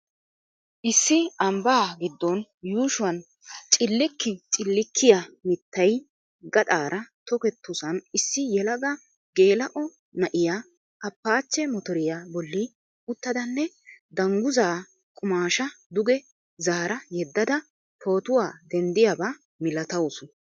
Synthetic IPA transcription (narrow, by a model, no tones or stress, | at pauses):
ʔɪsːɪɐmbaːɡɪd̪ːɔnjuːʃʊwɐn | t͡ʃʼɪlːɪkːɪt͡ʃʼɪlːɪkʰːɪjamɪt̪ːɐj | ɡɐt̪ʼaːɾʔɐt̪ɔkɛt̪ːʊsɐnɪsːɪjɛlɐɡɐ | ɡe̞ːlɐʔɔ | nɐʔɪja | ɐpːaːt͡ʃːɛmɔt̪ɔɾɪjabɔlːɪ | ʊt̪ːɐd̪ɐnːɛ | d̪ɐŋɡʊzaː | kʼʊmaːʃɐd̪ʊɡɛ | zaːɾɐjɛd̪ːɐd̪ɐ | pʰo̞ːt̪ʊwaːd̪ɛnd̪ɪjaba | mɪlɐt̪ɐwʊsʊ